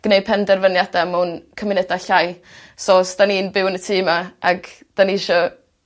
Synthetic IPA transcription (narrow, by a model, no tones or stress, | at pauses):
ɡ̥nej̚pʰɛndɛrvənjadamunkʰəmɪnɛdaɬaj | soːsd̥aniːnbɪwnətʰiːmaaɡ̥ | d̥aniʃɔ